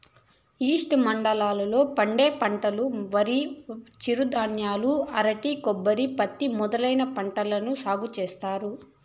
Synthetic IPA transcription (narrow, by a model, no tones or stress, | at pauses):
iːsʈmɐɳɖɐlaːlɐlo̞ːpɐɳɖeːpɐɳʈɐluʋɐɾit͡ʃiɾud̪aːnjaːluɐɾɐʈikɔbːɐɾipɐt̪ːimɔd̪ɐlɐjnɐpɐɳʈɐlɐnusaːɡut͡ʃeːst̪aːɾu